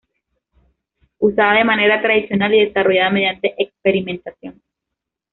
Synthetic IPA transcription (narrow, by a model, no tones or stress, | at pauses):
usaðaðe̞mane̞ɾat̪ɾaðisjo̞naliðe̞saro̞ʝaðame̞ðjant̪e̞ʔekspe̞ɾimẽ̞nt̪asjo̞n